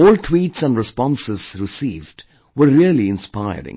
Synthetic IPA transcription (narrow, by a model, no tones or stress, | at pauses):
ɔːltʰwiːʈsæ̃nɖɾɪspɔ̃nsɪz̥ɾɪsiːvɖ | wəɾːiəliɪ̃nspaɪə̰ɾɪ̰̃ŋ